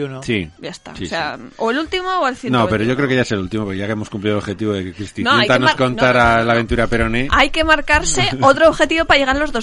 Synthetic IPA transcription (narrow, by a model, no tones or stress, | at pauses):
siɟ͡ʝaest̪a̰siseaoelult̪imooelθinopeɾo̞ʝo̞kɾeokeaeselult̪imopokejakemo̞skumpliðolxe̞t̪iβoðekekɾist̪inoet̪anosko̞ntnaɾalaβe̞nt̪uɾape̞ɾo̞neajke̞maɾkaɾse̞ot̪ɾoβxe̞t̪iβo̞pajʝe̞ɣaɾlozðo̞s